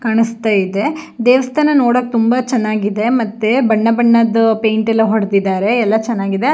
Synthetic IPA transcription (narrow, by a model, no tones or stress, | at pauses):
kaːɳist̪aːjid̪e̞d̪eːʋɐst̪ʰɐnɐnoːɽoːkːet̪umbɐt͡ʃɐnːaːɡid̪e̞mɐt̪ːebɐɳːɐbɐɳːɐd̪pejɳʈɐlːɐɦɔɽd̪id̪aːɾe̞ɛlːɐt͡ʃɐnːaːɡid̪e